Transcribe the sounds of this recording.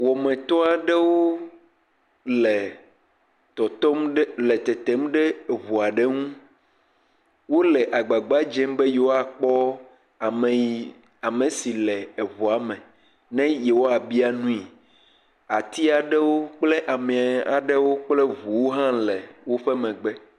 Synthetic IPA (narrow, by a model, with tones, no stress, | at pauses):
wɔ˨mɛ̃˨t̪ɔ˦a˨ɖɛ˦wo˦ | lɛ˨ | t̪ɔ˨t̪ɔ˦m˦lɛ˨t̪ɛ˨t̪e˦mɖɛ˦˨βu˨a˨ɖe˦ŋũ˦ | wo˦lɛ˨ʔa˨ɡ͡ba˨ɡ͡ba˦d͡ʒɛ̃˦mbe˦je˨wo˦a˨k͡pɔ˦˨ | m˨˦ | a˨mẽ˨si˨lɛ˨e˨βu˨a˨mɛ̃˨ | nɛ̃˦je˨wo˦a˨bi˦a˨nũ˦i˨ | a˨t̪i˦a˨ɖɛ˦wo˦k͡ple˦ʔa˨mɛ̃˨a˨ɖe˦wo˦k͡ple˦vu˨wo˦ɦã˦lɛ˨wo˦ɸɛ˦mɛ̃˨ɡ͡bɛ˦